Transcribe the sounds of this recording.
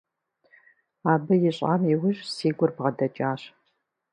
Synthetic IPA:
aːbɨjɪɕʼa̰ːmiwʊʑsiːɡʷʊrbʁɐdɐt͡ʃʼaːɕ

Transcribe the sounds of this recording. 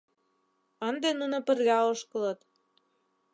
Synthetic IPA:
ənd̪enunŏpə̆rlʲæoʃkɤ̆lɤ̆t̪

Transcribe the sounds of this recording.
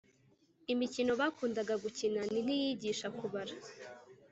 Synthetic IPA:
imicino̞βaːkuːndaɡaɡucinanin̥ijiːɟiːʃakuβaɾa

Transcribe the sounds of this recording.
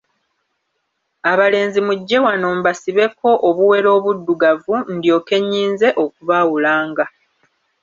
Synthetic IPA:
aβale̞ːnzimuɟːe̞wano̞ːmbasiβe̞ko̞ʔoβuwe̞ɾo̞ːβudːuɡavundjo̞ːke̞ɲːiːnze̞ʔo̞kuβawulaːŋɡa

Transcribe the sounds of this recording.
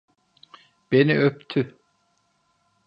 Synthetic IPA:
b̥eniʔøp̚t̪ʰy

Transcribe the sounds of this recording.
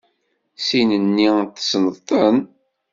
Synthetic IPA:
sinənːit̪ːsnəðt̪ˤən

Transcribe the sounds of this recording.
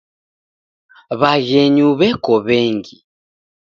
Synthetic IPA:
βaɣɛɲuβɛkɔβɛŋɡi

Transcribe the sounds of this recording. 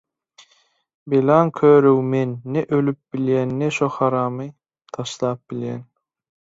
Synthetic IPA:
belɑŋkʰøːɾøwmenːeʔølyp̚biljænːeʃohɑɾɑːmɯ | t̪ʰɑʃlˠɑːp̚biljen

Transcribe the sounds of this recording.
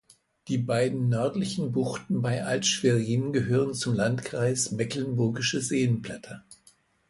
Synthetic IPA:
d̥iːbaɪdn̩nœɐtlɪçn̩bʊχtn̩baɪʔaltʃfeʁiːnənɡəɦøːʁ̞ənt͡sʊmlantkʁ̥aɪsmɛklənbʊɐɡɪʃəzeːənpl̥ɛtʰɐ

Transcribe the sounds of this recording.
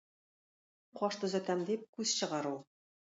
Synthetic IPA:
qɒʃt̪ɵ̆zɘ̆kæmd̪ip̚kʉz̥ɕɤ̆ʁɑɾulˠ

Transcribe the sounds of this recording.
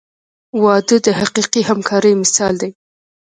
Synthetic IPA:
wɑd̪əd̪əhaqiqihamkʰɑɾəjmɪsɑld̪aj

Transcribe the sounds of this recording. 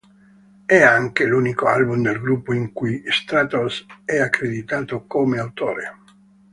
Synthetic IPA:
ɛaŋkeluːnikoalbumd̪elɡɾupːoiŋkujst̪ɾat̪osɛakːɾed̪it̪aːt̪okomeawt̪oːɾḛ

